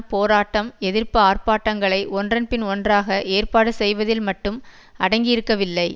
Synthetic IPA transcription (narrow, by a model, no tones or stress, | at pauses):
poːɾaːʈːɐmɛðɪrpɯaːrpaːʈːɐŋɡɐɭɐɪʔɔndrɐnpɪnɔndraːɣɐʔeːrpaːɽɯsɛjʋɐðɪlmɐʈːɯm | ɐɽɐŋɡɪjɪɾɯkːɐʋɪlːɐɪ